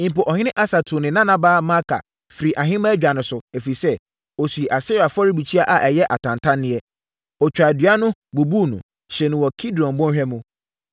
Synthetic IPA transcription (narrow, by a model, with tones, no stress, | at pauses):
ɪ̃˨m̩˨pʊ˨ʔɔ˨hɪ̃˦nɪ̃˦ʔa˦sa˨tʰʊ˨nɪ̃˨nã˦nã˦baː˦mã˦kʰa̰˨ | fi˨ɾi˨ʔa˨ɦɪ̃˦mã˦d͡ʑᶣa˨nʊ̃˨sʊ˨ɛ˨fi˨i˨sɛ˦ | o˨si˨ʔa˨sɪ˦ɾa˨fɔ˦ɾɪ˦bi˨t͡ɕʰi˦a˦ʔa˨ʔɛ˨jɛ˦ʔa˨tʰã˨ntʰã˦nːɪ̃˦ɛ˦ | ɔ˨t͡ɕᶣa˨dɥa˦nʊ̃˦bu˨buː˦˨nṵ̃˨ | ɕɛ˨nʊ̃˨wɔ˨kʰi˦dɔ̃˨n˨bɔ̃˦nhᶣɛ˦mʊ̃˦